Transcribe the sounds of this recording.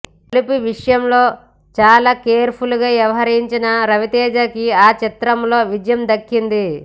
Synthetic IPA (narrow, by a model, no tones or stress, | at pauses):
lipuʋiʂɐjɐmlo̞ː | t͡ʃaːlaːkeːɾpʰuluɡaːʋjɐʋɐɦɐɾɐiɲt͡ʃinɐɾɐʋit̪ɛːd͡ʒɐkiaːt͡ʃit̪ɾɐmlo̞ːʋid͡ʒjɐmd̪ɐkːind̪i